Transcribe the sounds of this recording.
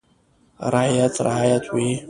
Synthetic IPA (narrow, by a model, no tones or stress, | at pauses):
raʕjat͡sʰrʕajatʷʼwi